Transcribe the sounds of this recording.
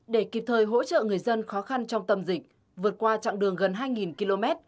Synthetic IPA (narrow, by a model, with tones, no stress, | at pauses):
ɗe˧˩ki˨˩p̚t̪ʰəː˨˩jɦo̰˧˥t͡ɕə̰ː˧˨ŋɨ˨˩əjzə˧nxɔ˨˦xa˧nt͡ɕɔ˧wŋ͡mt̪ə˧mzï˨˩k̚ | vɨ˨˩ət̚kwaː˧t͡ɕa̰ː˧˨ŋɗɨ˨˩əŋɣə˨˩nɦaː˧jŋi˨˩nki˧lo˧mɛ˦˥t̚